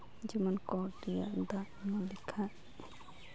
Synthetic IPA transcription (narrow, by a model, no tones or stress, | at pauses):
d͡ʒimənkɔd̪ija̰d̪a | nɔlikʰa